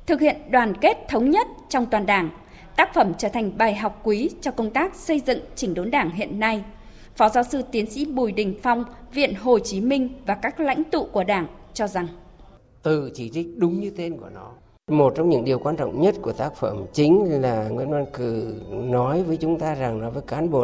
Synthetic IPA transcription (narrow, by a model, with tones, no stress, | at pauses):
t̪ʰɨ˨˩k̚hḭ˧˨ənɗwaː˨˩nke˦˥t̚t̪ʰə˨˦wŋ͡mɲə˦˥t̚t͡ɕɔ˧wŋ͡mt̪waː˨˩nɗaː˧˩ŋ | t̪aː˦˥k̚fə˧˩mt͡ɕəː˧˩t̪ʰa˨˩ŋ̟ɓaː˨˩jɦa˨˩wk͡p̚kwi˨˦t͡ɕɔ˧kə˧wŋ͡mt̪aː˦˥k̚sə˧jzɨ̰˧˨ŋt͡ɕï˨˦ŋ̟ɗo˨˦nɗaː˧˩ŋɦḭ˧˨ənːa˧j | fɔ˨˦zaː˨˦wsɨ˧t̪i˨˦ənsḭ˧˥ɓu˨˩jɗï˨˩ŋ̟fa˧wŋ͡mvḭ˧˨ənɦo˨˩t͡ɕi˨˦mï˧ŋ̟vaː˨˩kaː˦˥k̚la̰˧˥jŋ̟t̪ṵ˧˨ku˧˩əɗaː˧˩ŋt͡ɕɔ˧za˨˩ŋ | t̪ɨ˨˩t͡ɕi˧˩t͡ɕï˦˥k̟̚ɗʊ˨˦ŋ͡mɲɨ˧t̪e˧nku˧˩ənɔ˨˦ | mo˨˩t̚t͡ɕɔ˧wŋ͡mɲɨ̰˧˥ŋɗi˨˩əwkwaː˧nt͡ɕɔ̰˧˨wŋ͡mɲə˦˥t̚ku˧˩ət̪aː˦˥k̚fə˧˩mt͡ɕï˨˦ŋ̟laː˨˩ŋwi˧˨ənvwaː˧nkɨ˨˩nɔ˨˦jvəː˨˦jt͡ɕʊ˨˦ŋ͡mt̪aː˧za˨˩ŋnɔ˨˦jvəː˨˦jkaː˨˦nɓo̰˧˨